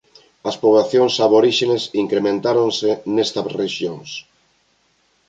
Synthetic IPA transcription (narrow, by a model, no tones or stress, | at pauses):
ɐspoβlaθjoŋsaβoɾiʃenesiŋkɾemẽnt̪aɾoŋsenest̪ɐreʃjoŋs